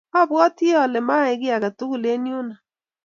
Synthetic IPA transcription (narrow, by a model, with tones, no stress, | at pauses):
a˦˨bwɔ˦ti˦ɔ˨lɛ˨ma˦ɪ˦ɡɪ˦a˨ɣa˨tu˦ɣu˨le˦nju˦na˨